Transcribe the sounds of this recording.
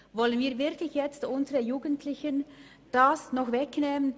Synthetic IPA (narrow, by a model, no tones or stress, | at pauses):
vɔlənviːɐvɪʁkʰlɪçjɛt͡stʔʊnzəʁəjuːɡəntʰlɪçən | d̥asnɔχvɛknɛːmən